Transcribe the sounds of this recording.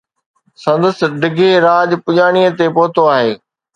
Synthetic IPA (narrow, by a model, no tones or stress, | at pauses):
sɐ̃nd̪əs̆ɖɪɡʱeɾaːʄpʊʄaːɽ̃iət̪epoːt̪oaːɦeː